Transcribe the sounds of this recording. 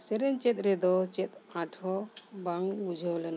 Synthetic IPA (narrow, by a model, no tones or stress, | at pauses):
sɛɾɛnt͡ʃɛt̪̚ɾɛd̪ɔt͡ʃɛt̪̚ãʈʰɔbaŋbud͡ʒʱɔwlɛn